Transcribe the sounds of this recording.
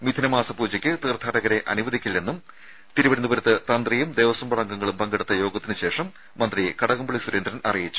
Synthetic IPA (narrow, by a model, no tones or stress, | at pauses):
mid̪ʱinɐmaːsɐpuːd͡ʑɐkʲːɨt̪iːrt̪ʰaːɽɐɣɐɾe̞ʔɐ̰nuʋɐd̪ʱikʲːilːe̞nːum | t̪iɾuʋɐɾɐnubɐɾɐt̪ːɨt̪ɐnd̪rijumd̪eːʋɐsɐmbɐɽɐŋɡɐŋːɐɭumpɐŋɡeɽut̪ːɐjo̞ːɡɐt̪ːinɨɕe̞ːʂɐmː | ɐnd̪rijekɐɽɐɣɐmbɐɭisuɾeːnd̪ɾɐnʔɐrijit͡ɕːu̥